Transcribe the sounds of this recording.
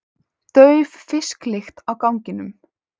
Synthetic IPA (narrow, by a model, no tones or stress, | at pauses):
t̪œːɥvfɪsklɪxt̪awkawɲcɪnʏm